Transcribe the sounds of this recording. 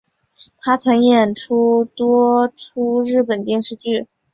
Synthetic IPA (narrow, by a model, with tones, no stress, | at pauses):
t̪ʰa˥t͡sʰɤ˧˥ŋjɛ˨˩nʈ͡ʂʰu˥t̪wɔ˥ʈ͡ʂʰu˥ɻɻ̩˥˩pə˨˩nt̪jɛ˥˧nʂɻ̩˥˧t͡ɕy˥˩